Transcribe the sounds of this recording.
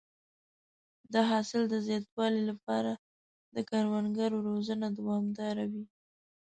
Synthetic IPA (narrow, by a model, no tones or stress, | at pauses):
d̪əɦɑsɪld̪əzjɑt̪̚wɑlilapɑɾa | d̪əkaɾwanɡaɾoɾozənad̪awɑmd̪ɑɾawi